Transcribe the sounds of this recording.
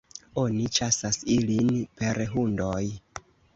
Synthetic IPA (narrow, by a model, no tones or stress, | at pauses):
o̞nit͡ʃasasilinpe̞ɾeɦundoj